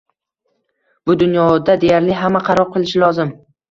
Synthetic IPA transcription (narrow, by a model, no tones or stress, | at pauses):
bʊd̪ʊnjɒd̪ad̪e̞jaɾlɪɦamːaqʰɑɾɒɾ̚qʰɨlˠɪʃɪlɒzɪm